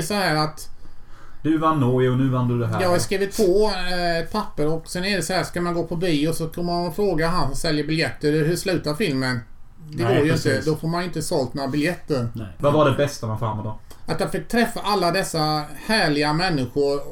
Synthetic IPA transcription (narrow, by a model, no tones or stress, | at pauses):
sɔhæːɾat̪ | d̪ɵvanːɔjɔnʉ̟ːvand̪d̪ɵd̪ɛɦæjɑːɡhaɾskɾiːvɪt̪ːʰvoːt̪̚pʰapːəɾɔksɛnɛɖdɛsɔhæːʂkamanɡoːpʰɔbiːɔsɔkʰɵnːəmaanfɾoːɡaɦansɔmsɛljəbɪljɛt̪ːəɾɦɵʂlʉ̟ːt̪aɾfɪlmən | d̪ɛɡoːɾjəɪnt̪əd̪ɔfoːɾmanɪnt̪əsɔlt̪̚mabɪljɛt̪ːəɾvavaɖɛbɛst̪amanfɾa̰mːɔt̪ɔmat̪jɑfɪk̚t̪ʰɾɛfːaʔalːad̪ɛsːahæːɭɪɡamɛnːɪɧʊɾ